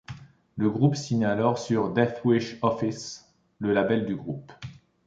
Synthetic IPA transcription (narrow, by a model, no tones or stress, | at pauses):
ləɡʁupsiɲalɔʁsyʁd̪ɛfwiʃɔfis | ləlabɛld̪yɡʁup